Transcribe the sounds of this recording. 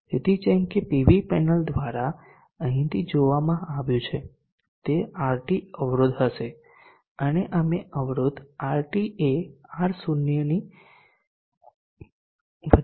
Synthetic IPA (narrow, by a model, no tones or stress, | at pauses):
tet̪it͡ʃɛ̃ŋkepiʋipɛnəld̪ʋaɾa | əɦĩt̪ʰid͡ʒoʋamãaʋjũt͡ʃʰe | t̪eaɾʈiəʋɾod̪ɦəʃe | əneʔəmeʔəʋɾod̪aɾʈieaɾsunjəni | ʋə